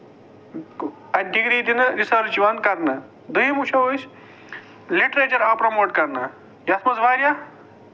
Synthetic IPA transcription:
ɐd̪iɡɾiːt̪inɐɾisɐɾt͡ʃʋɐnd̪̚kɐɾnɐ | d̪əɦimuʃʰɐos | liʈɾed͡ʑɐɾapɾɐmoːʈkɐɾna̰ | jɐsmɐd͡zʋaɾja

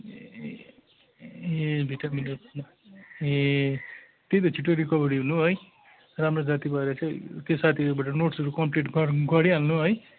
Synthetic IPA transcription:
ebʱiʈaminʌma | e | t̪ejt̪ʌt͡sʰiʈoɾikʌbʌɾiɦunuɦʌj | ramrod͡zat̪ibʌeɾʌt͡sãj̃t̪esat̪ʰiʌubaʈʌnoʈsʌɾukʌmpleʈɡʌɡʌɾiɦalnuɦʌj

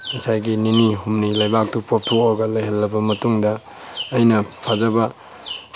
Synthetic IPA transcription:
mɐsajɡininiɦumnilajbak̚tupʰɔp̚tʰuɔɡɐlajɦelːɐbɐmɐtuŋdɐː | jnɐpʰazabɐ

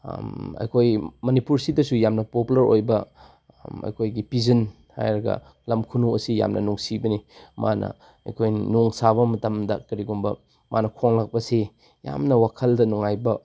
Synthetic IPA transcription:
ɐ̰jkʰojmɐnipuɾsidɐsujamnɐpopulɐɾojbɐ | ɐ̰jkʰojɡipizɐn | ha̰jɾɐɡɐ̰ | lɐmkʰunoɐsija̰mnʔɐ̰nuŋsibɐnima̰nɐ̰ | ɐ̰jkʰojnuŋsaβɐmɐtɐmdɐ̰kɐɾiɡumbɐ̰ | mʔa̰nɐkʰoŋlak̚pɐse | ja̰mnɐwakʰɐldɐnɔŋajbɐ

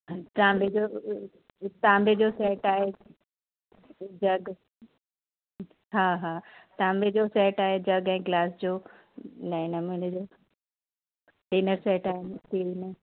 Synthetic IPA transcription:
ʈãːmbed͡ʑoː | t̪ãːmbed͡ʑoːsɛːʈaːɦe | d͡ʑɐɡ | ɦaːɦaːt̪ãːmbed͡ʑoːsɛːʈaːɦed͡ʑɐɡɛ̃ːɡlaːsd͡ʑoː | nɐinɐmũnd͡ʑoː | ʈẽːnəɾsɛːʈaːɦet̪iːnə

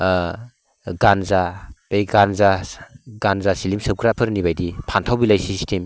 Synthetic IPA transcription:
ɡanzab̥ejɡanzaɡanzasilimsɯb̚ɡɾapʰɯɾnibajdipʰantʰawbilajsistʰem

